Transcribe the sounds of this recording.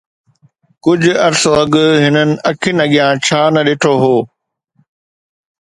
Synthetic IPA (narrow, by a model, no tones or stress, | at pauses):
kʊd͡ʑʱʊɐɾsoɐɡʊɦɪnənɪ̆ɐkʰɪnɐɠijãːt͡ɕʰaːnɐɗeːʈʰoɦoː